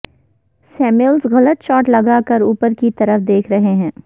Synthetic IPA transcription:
sɛːmʊlzɣɐlət̪ʃɔːʈlɐɡakəɾuːpəɾkit̪ɐɾəfd̪eːkʰɾɐɦeɦɛ̃ː

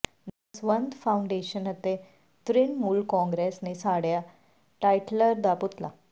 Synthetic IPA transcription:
nasʋənd̪fawɳɖeɕənɦət̪e | t̪ɾinmulkɔ̃ŋɡɾesnesaɽja | ʈajʈləɾd̪aput̪la̰

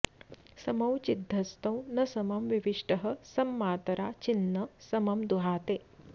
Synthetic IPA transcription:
sɐmɐwt͡ʃid̪ʱːɐst̪ɐ̃w̃nɐsɐmɐmʋiʋiʂʈɐɦɐ̆sɐmːaːt̪ɐɾaːt͡ʃinːɐsɐmɐmd̪uɦaːt̪eː

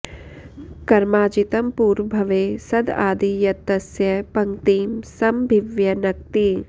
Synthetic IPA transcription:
kɐɾmaːd͡ʒit̪ɐmpuːɾbʱɐʋeːsɐd̪ʱa̰ːd̪ijɐt̪ɐsjɐpɐŋt̪iːmsɐmbʱiʋjɐnɐk̚t̪i

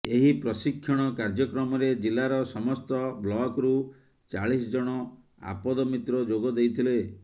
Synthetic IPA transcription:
eɦipɾɔsikʰːjɔɽ̃ɔkaɾd͡ʒɔkɾɔmɔɾed͡ʒilaɾɔsɔmɔst̪ɔblɔkɾu | t͡ʃaɭis̬ɔd͡ʒɔɽ̃ɔ | a̰pɔd̪ɔmit̪ɾɔd͡ʒoɡɔd̪ejt̪ʰile

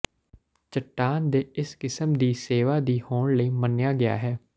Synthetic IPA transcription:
t͡ʃəʈːaːnd̪eːɪskɪsəmd̪iːseːʋaːd̪iːhoːɳləiːmənjaːɡɪja̰ːɦɛː

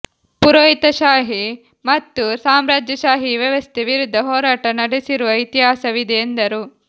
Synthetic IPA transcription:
puɾoːit̪ɐʃaːɦi | mɐt̪ːusaːmɾaːd͡ʒjɐʃaːɦiʋjɐʋɐst̪ʰeʋiɾud̪ʱːɐɦɔːɾaːʈɐnɐɽesiɾuʋɐit̪iɦaːsɐʋid̪ɛend̪ɐɾu

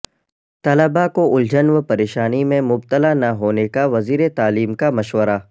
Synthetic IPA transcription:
t̪ɐləbakoʔʊld͡ʒənʋpɐɾeːʃaːnimẽmʊb̚t̪əlanɐɦoːnekaʋɐziːɾet̪aːliːmkamɐʃʋəɾa

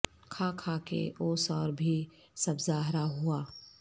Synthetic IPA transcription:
kʰakʰaːkḛoːsɔːɾbʱi | sɐbzaːɦɾaɦuaː

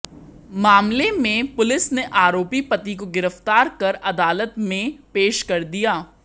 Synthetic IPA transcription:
maːmlemẽpʊlɪsneʔaːɾoːpipət̪ikoɡɪɾəft̪aːɾkɐɾɐd̪aːlət̪mẽpeːʃkɐɾd̪ijaː

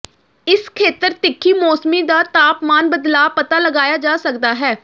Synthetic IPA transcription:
ɪskʰeːt̪əɾt̪ɪkʰːiːmɔːsmiːd̪aːt̪aːpmaːnbəd̪laːpət̪aːləɡaːjaːd͡ʒaːsəkd̪aːɦɛː

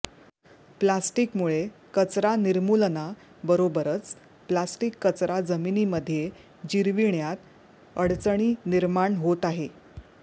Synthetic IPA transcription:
plasʈikmuɭekət͡sɾaniɾmulna | bəɾobəɾət͡s | plasʈikːət͡sɾad͡zəminiːməd̪ʱːje | d͡ʑiɾʋiɳjat̪ | əɽt͡səɳ̃iːniɾmaɳɦot̪aɦe

